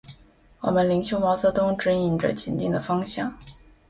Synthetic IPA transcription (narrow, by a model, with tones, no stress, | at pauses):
wɔ̰˨˩mə˦nli˧˥ŋɕjo˥ʊmɑ˧˥ʊt͡sɤ˧˥t̪ʊ˥ŋʈ͡ʂɻ̩˧˥i˨˩nʈ͡ʂə̰˦t͡ɕʰi˧˥nt͡ɕi˥˩ŋd̪ə˩fɑ˥ŋɕjɑ˥˩ŋ